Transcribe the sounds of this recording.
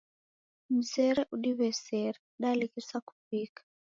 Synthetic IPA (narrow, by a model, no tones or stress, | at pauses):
m̩sɛɾɛʔuɗiβɛsɛɾɛɗalikisaku̥pikʰḁ